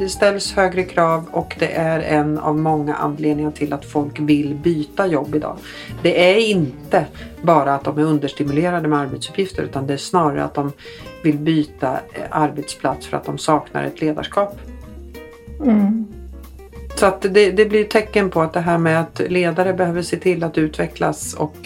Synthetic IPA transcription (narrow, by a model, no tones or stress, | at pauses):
d̪ɛst̪ɛlːshøːɡɾəkʰɾɑːvɔkd̪ɛ̰ʔæɾɛna̰vmɔŋːa̰ʔa̰nːleːd̪nɪŋaʈʰɪlat̪fɔlkvɪlːbyːt̪ajɔbːɪd̪ɑ̰ː | d̪ɛʔæɾɪnt̪ə | bɑːɾaːt̪̚d̪ɔmæɾɵnd̪əʂʈɪmɵleːɾad̪əmɛaɾbɛt̪sɵ̥pʰjɪft̪əɾʉ̟ːt̪and̪ɛæʂnɑːɾa̰ɾə̰a̰t̪̚d̪ɔmvɪlbyːt̪aʔaɾbɛt̪spʰlat̪sfœɾat̪̚d̪ɔmsɑːkna̰ɾɛ̰t̪leːd̪a̰ʂkɑːp | sɔat̪d̪ɛd̪ɛblɪjt̪ʰɛkːənpʰɔat̪̚d̪ɛɦæːɾmɛat̪leːd̪aɾəbɛhøːvəʂeːt̪ʰɪlːat̪ʉ̟ːt̪vɛkla̰sɔ̰k